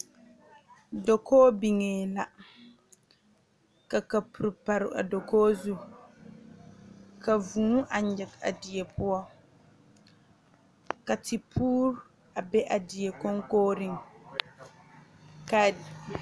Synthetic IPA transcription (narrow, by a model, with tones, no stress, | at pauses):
do˨kʰoː˦bi˨ŋeː˨la˨ | ka˨ka˨pu˨ɾpa˨ɾɪ̰˨ʔa̰˨do˨koː˦zu˦ | ka˨vuː˨˦ʔa˨ɲjɪ˨ka̰˨di˨jɛ˨pʊ˦ɔ˦ | ka˨ti˨pʰuː˦ɾ | a˨bɛ˦ʔa˨di˨je˨ko˦ŋkoː˦ɾi˦ŋ | ka˨d